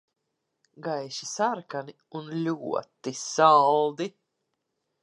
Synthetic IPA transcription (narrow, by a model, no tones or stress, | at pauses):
ɡajʃisaɾkani | unlʲuɔt̪isalˠd̪i